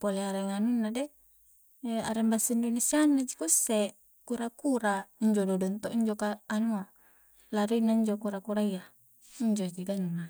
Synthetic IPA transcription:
poleaɾeŋanunːade | aɾembasaindonesianːad͡ʒikusːe | kuɾakuɾaiɲd͡ʒododɔnt̪oʔiɲd͡ʒokaːnua | laɾinaiɲd͡ʒokuɾakuɾaija | iɲd͡ʒod͡ʒidannːa

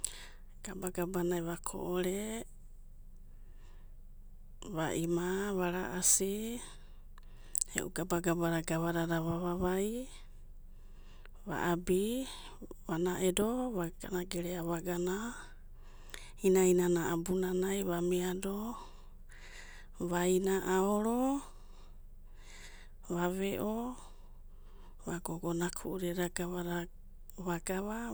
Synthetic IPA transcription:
ɡ̥abaɡabanaeβakʰo̰ʔoɾe | βaʔimaβaɾaʔasi | ḛʔṵɡabaɡabaɾaɡaβaɾaɾaβaβaβaj | βa̰ʔabi | βanaʔedoβaɡanaɡeɾeaβaɡana | inainanaʔabunanajβamiado | βajnaʔaoɾo | βaβeʔo | βaɡoɡonakʰuʔuɾeɾaɡaβaɾa | βaɡaβa

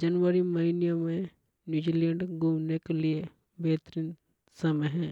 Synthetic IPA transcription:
d͡ʒɐnʋəɾimɐɦinijomẽ | njuːd͡ʒilẽɳɖɡʱumnekelie | bɛːt̪əɾiːn | sɐməjɦɛ̃ː

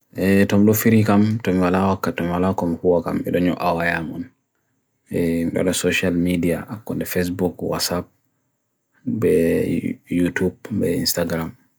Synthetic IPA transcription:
ʔɛtɔmiɗɔfiɾikamtɔmiwalawakːatɔmiwalakɔmihuwaka̰mɛ̰ɗɔɲɔ̰ʔawajamɔn | ɛmiɗɔ̰ɗasɔʃalmidiaʔakːɔndɛfes̬bukwa̰sap̚ | bɛ | jutubbɛ̰ḭnstaɡɾam

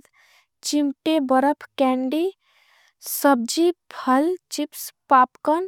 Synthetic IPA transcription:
d̪ | t͡ʃimʈebəɾəpʰkɛɳɖi | səb̚d͡ʒipʰəlt͡ʃipspaːpkən

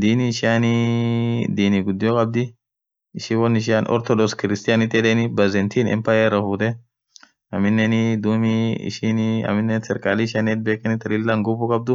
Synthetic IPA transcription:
d̪iːniɪʃɪaːni | d̪iːniɡʊd̪ːɪjɔkʼɐb̚d̪ɪ | ɪʃiwɔnɪʃ̬ɪanʔɔ̰ɾt̪ɔd̪ɔskɪɾɪst̪ɪjaːnɪt̪ʼːɛd̪ɛːnɪbɐzɛnt̪iːnɛ̰mpaːjɛɾɐfuːt̪ɛ | ɐmɪnːɛnɪd̪uːmiɪ̰ʃinɐ̰mɪnːɛnsɛɾkʼaːlɪʃanet̪̚beːkʼːɐnɪt̪ɐlɪlːɐŋɡʊbʊkʼɐb̚d̪ʊ

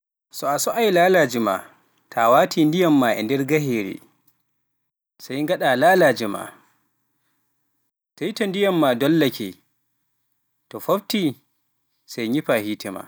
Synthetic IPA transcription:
sɔasɔʔajlaːlaːd͡ʒima̰ | tʰawaːtʰiːndijamːaːʔɛ̰ndɛɾɡaheːɾḭ | sajŋɡaɗalaːlaːd͡ʒɛma̰ | sajtɔndijamːadɔlːakʰɛ | tɔfabti | sajɲipahiːtɛma̰

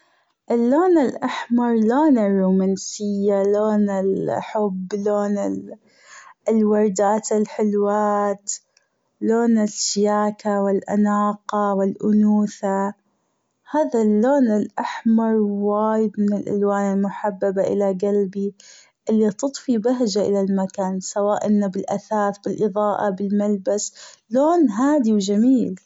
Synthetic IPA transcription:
ʔɪlːoːnɪlʔaħmɑɾˤloːnɪrˤːuːmansɪjːaloːnɪlħʊbːloːnɪ | ɪlwɑɾˤd̪aːt̪ɪlħɪlwaːt̪ | loːnɪʃɪjaːkawɪlʔa̰naːqɑwɪlʔʊnuːθa | haːðalːoːnɪlʔaħmɑɾˤwaːjɪd̪mɪnɪlʔa̰lwaːnɪlmʊħabːabaʔɪ̰laɡalbi | ʔɪlːit̪ɨt̪ˤfibaɦd͡ʒaʔɪlalmakaːnsawaːʔʔɪnːabɪlʔaθaːθbɪlʔɨðˤɑːʔɑbɪlmalbasloːnɦaːd̪iwd͡ʒamiːl

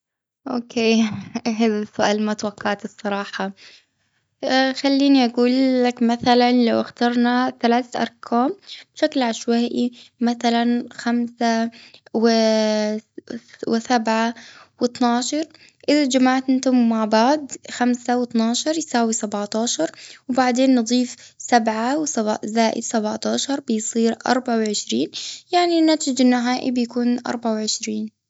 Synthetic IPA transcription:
ʔoːkʰeːɦaːðasːʊʔaːlmat̪waqːɑʕt̪ɨsˤːɑɾˤɑːħɑ | xalːiːniʔaɡuːlːakmaθalanlawʔaxt̪ɑɾˤnaθalaːθʔɑ̰ɾˤkʰaːmbʃaklʕaʃwaːʔimaθalanxamsawɪ | wɪsabʕawɨt̪nɑːʃɑɾˤ | ʔɪðad͡ʒamaʕt̪ʔɪnt̪ʊmːaʕbaʕd̪xamsawɪt̪nɑːʃɑɾˤjsaːwisabʕt̪ɑːʃɑɾˤwbaʕd̪eːnːɨd̪ˤiːfsabʕawazaːʔɪ̰d̪sabʕt̪ɑːʃɑɾˤbɪjsˤiːɾʔɑ̰ɾˤbaʕawʕɪʃɾiːnjaʕninat̪ɪd͡ʒɪnːaɦaːʔḭbɪjakuːnʔɑ̰ɾˤbaʕawʕɪʃɾiːn

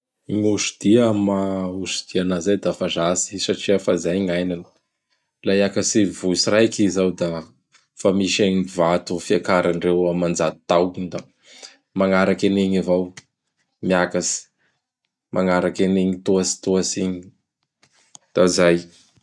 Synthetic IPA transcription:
ɲuʃud̪̥iamausud̪̥ianazajd̪afazasi̥saʈ͡ʂiafazajŋajnanə̥ | laakasivusirajkizawd̪a | famiʃeɲivat̪ufiakaɾaɳɖ͡ʐewamand͡zat̪u̥t̪awkid̪a | maŋaɾakeneɲivaw | miakasi̥ | mʔaŋaɾakeneɲit̪uasi̥t̪uasiɲii | d̪̥azaj

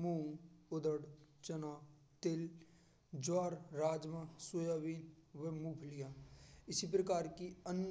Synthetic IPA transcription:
mũːʊd̪əɽt͡ʃɐnaː | t̪el | d͡ʒwaːɾɾaːd͡ʒmãsojaːʋiːlʋemuːpʰlijãɪsip̬ɾəkaːɾkiən

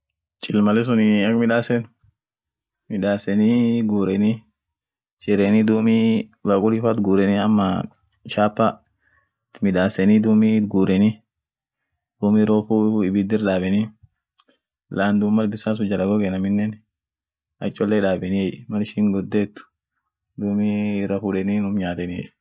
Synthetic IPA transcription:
t͡ʃʼɪlmɐlɛs̬ʊnɪɐkmɪᶑaːsɛn | mɪᶑaːsɛniɡuːɾɛni | t͡ʃʼɪɾɛnid̪uːmibɐkʼʊlɪfɐt̪ɡuːɾɛniɐmːɐ | ʃaːpːa | t̪mɪᶑ̪aːsɛnid̪uːmiɡuːɾɛni | d̪̥uːmiɾoːfuɪbɪd̪ɪɾᶑaːbɛni | laːnd̪uːmːɐlbɪsaːs̬ʊd͡ʒɐlɐɡɔɡɛnɐmɪnːɛn | ʔɐ̰t͡ʃʼːɔlːeːᶑaːbɛniɛʔmɐlʃiːŋɡɔd̪ːeːt̪ːʊ̥ | d̪uːmiɾɐfuᶑɛninʊmɲaːt̪ɛniɛ̰ʔ

